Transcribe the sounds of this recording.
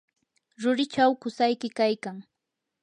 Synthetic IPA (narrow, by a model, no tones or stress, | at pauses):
ɾʊɾɪt͡ʃawkʊsajkɪkajkaŋ